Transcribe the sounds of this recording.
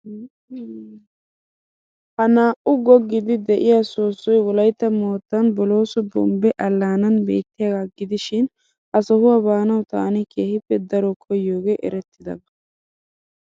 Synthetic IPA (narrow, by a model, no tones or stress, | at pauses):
hɐnaːʔʊɡɔɡːɪd̪ɪd̪ɛʔɪjaːsoːsːɔjwɔlɐjt̪ːɐmo̞ːt̪ːɐnbɔlo̞ːsʊbɔ̰mbɛʔɐlːaːnɐnbḛːt̪ːɪjaɡaɡɪd̪ɪʃɪn | ɐsɔhʊwabaːnɐwt̪a̰ːnɪkʰeːhɪpːɛd̪ɐɾɔkʰɔjːoːɡeːʔɛ̰ɾɛt̪ʰːɪd̪ɐ̰bɐ